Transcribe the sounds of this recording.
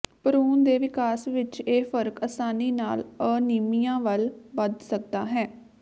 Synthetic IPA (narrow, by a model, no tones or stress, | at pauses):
pəɾuːnd̪eːʋɪkaːsʋɪt͡ʃeːfəɾkəsaːniːnaːləniːmijãːʋəlbəd̪sək̚d̪aːɦɛː